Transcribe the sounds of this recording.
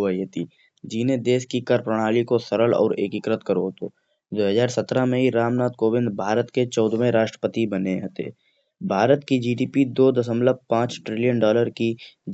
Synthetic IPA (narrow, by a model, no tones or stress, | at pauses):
əiɦɛt̪iː | d͡ʒiːned̪eːskikɐɾpɾəɽ̃aːlikosɐɾəlɔ̰ːɾeːkɪkɾət̪kəɾoɦt̪o̰ː | d̪oːɦəzaːɾsɐt̪ɾamẽɦiɾaːmnaːt̪koːbɪ̃nd̪bʱaːɾət̪ket͡ʃɔːd̪mẽɾaːʃʈɾəpət̪ibɐneɦt̪ḛː | bʱaːɾət̪kid͡ʒiːɖiːpid̪oːd̪əsəmləb̚pãːt͡ʃʈɾɪlijənɖɔːləɾki